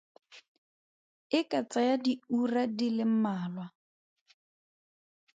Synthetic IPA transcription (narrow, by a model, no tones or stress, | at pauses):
ɪkʼat͡sʼajadiuradilɪm̩maːlwa